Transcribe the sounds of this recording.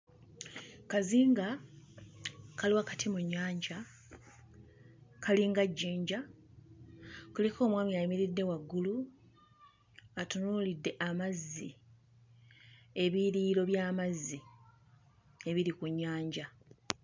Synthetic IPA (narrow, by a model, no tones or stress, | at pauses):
kaziːŋɡa | kaliwakatimuɲːaːɲɟa | kʰaliŋɡaɟːeːɲɟa | kulikʰo̞ːmwaːmiajimiɾidːe̞waɡːulu | atunulidːe̞ʔamazːi | e̞βiɾiːɾo̞βjaːmazːi | e̞βiɾikuɲːaːɲɟa